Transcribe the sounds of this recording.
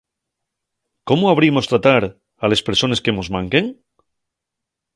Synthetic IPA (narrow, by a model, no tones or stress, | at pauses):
ko̞moaβɾimo̞st̪ɾat̪aɾ | ale̞spe̞ɾso̞ne̞ske̞mozmãŋkeŋ